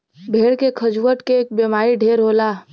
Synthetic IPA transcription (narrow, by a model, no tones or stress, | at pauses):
bʱeːɽkekʰɐd͡ʒuwəʈkeeːk̚bemaːɾiɖʱeːɾɦoːlaː